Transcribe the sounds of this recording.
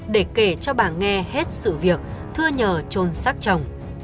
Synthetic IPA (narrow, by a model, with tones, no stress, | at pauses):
ɗe˧˩ke˧˩t͡ɕɔ˧ɓa̰ː˧˨nŋɛ˧he˦˥t̚sɨ̰˧˨vi˨˩ək̚t̪ʰɨ˧əɲəː˨˩t͡ɕo˧nsaː˦˥k̚t͡ɕə˨˩wŋ͡m